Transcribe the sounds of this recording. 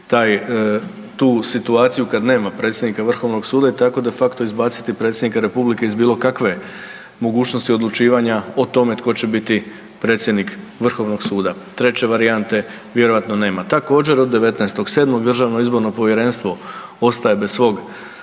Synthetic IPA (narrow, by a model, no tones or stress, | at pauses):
t̪aːj | t̪uːsit̪uaːt̪sijukad̪ne̞ːmapɾe̞ːt̪sʲjed̪nikaʋr̩xo̞ʋno̞ɡsuːd̪ait̪ako̞d̪e̞fakt̪o̞izbaːt̪si̥t̪ipɾe̞t̪sʲjd̪nikaɾe̞publike̞izbiːlo̞kakʋe̞ | mo̞ɡuːt͡ʃnost̪io̞d̪lˠut͡ʃiːʋaɲaot̪o̞me̞t̪ko̞t͡ɕebit̪i | pɾe̞ːt̪sʲje̞d̪nik | ʋr̩xo̞ʋno̞ɡ̥suːd̪a | t̪ɾe̞t͡ɕe̞ʋaɾiant̪e̞ | ʋje̞ɾoʋat̪no̞ne̞ːmat̪ako̞ːd͡ʑe̞ɾo̞d̪ːe̞ʋe̞t̪nɛst̪o̞ɡse̞ːd̪moɡd̪r̩ʒaːʋno̞izbo̞ɾno̞po̞ʋje̞ɾe̞nst̪ʋo̞o̞st̪aje̞bessʋo̞ɡ